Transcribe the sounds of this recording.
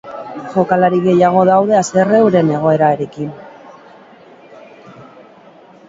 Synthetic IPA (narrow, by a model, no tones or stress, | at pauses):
ʝo̞kalaɾiɣe̞jaɣ̞o̞ðawð̞e̞ase̞re̞wɾe̞ne̞ɣ̞o̞e̞ɾaeɾe̞kin